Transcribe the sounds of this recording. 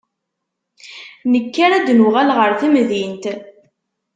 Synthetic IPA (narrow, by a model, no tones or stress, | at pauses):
nəkːaɾæd̪nʊʁælʁəɾθimðint̪